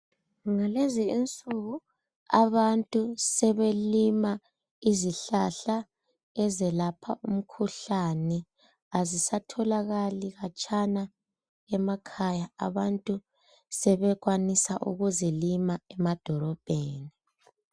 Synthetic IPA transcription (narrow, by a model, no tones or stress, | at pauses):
ŋaleziint͡sʼuɣu | a̰βantʼusɛβelima | iziɬaɬa | ɛzɛlapʰa̰ʔum̩kʰuɬanɛ | azisatʰɔlaɣaliɣat͡ʃʼana | ɛmakʰajaa̰βantʼu | sɛβɛɣwanisa̰ʔṵɣuzilimaɛmad̥ʱɔlɔb̥ʱeːni